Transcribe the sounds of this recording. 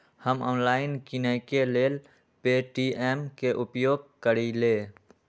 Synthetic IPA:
həmɔːnlaːɪnkinɛkeleːl | peʈieːmkeʔʊpjoːɡ̚kəɾileː

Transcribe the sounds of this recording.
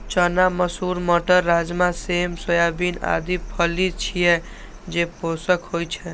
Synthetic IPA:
t͡ʃənaməsuɾməʈəɾːad͡ʒmasemsəjabina̰d̪ipʰəlit͡ʃʰijɛ | d͡ʒeposəkɦojt͡ʃʰɛ

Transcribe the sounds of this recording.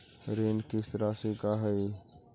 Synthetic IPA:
ɾeːnkɪst̪əɾasekaɦɛj

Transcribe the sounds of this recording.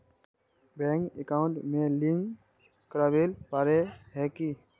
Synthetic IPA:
bɛ̃ːŋkḛkaːʊ̃ɳʈmẽliŋɡ | kəɾaːbelpaːɾeɦɛkiː

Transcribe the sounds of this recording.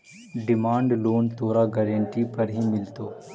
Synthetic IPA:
ɖɪmaːɳɖloːnt̪oːɾaɡɐɾəɳʈipɐɾɦimɪlt̪oː

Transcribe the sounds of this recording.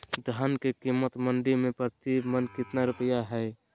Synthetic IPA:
d̪ʱənkekimːət̪məɳɖimẽpɾət̪ibmənkɪt̪naɾʊpəjaɦɛɪ

